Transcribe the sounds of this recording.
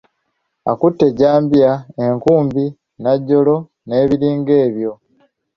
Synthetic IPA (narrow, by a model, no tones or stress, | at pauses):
a̰kutːe̞ɟaːmbiae̞ŋkuːmbi | naɟːo̞lo̞ | ne̞ːβiɾiːŋɡe̞ːβjo̞